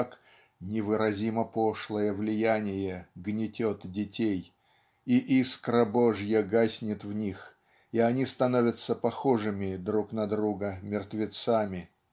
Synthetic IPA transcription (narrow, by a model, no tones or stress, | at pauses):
k | nʲɪvɨɾɐzʲiməpoʂlˠəjəvlʲɪjænʲɪjəɡnʲɪtʲot̪dʲɪtʲej | iʔiskɾɐboʐjəɡasʲnʲɪt̪vnʲix | iɐnʲist̪ɐnovʲət̪səpɐxoʐɨmʲɪd̪ɾuknɐd̪ɾuɡəmʲɪrt̪vʲɪt̪samʲɪ